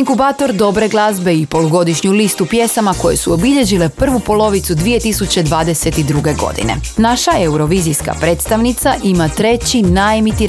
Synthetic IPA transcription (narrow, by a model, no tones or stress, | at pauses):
ŋkubaːt̪o̞ɾd̪o̞bɾe̞ɡlˠazbe̞ipo̞loɡo̞d̪iʃɲulist̪upjesamako̞je̞̰suo̞biʎe̞ʑile̞pr̩ʋupo̞lˠo̞ʋit̪sud̪ʋie̞t̪isut͡ɕe̞d̪ʋaːd̪e̞se̞t̪id̪ɾuɡe̞ɡo̞̰d̪ḭne̞̰naʃaeuɾo̞ʋizijska̰pɾe̞ːt̪st̪aʋnit̪saʔimat̪ɾe̞t͡ɕinaemit̪iɾ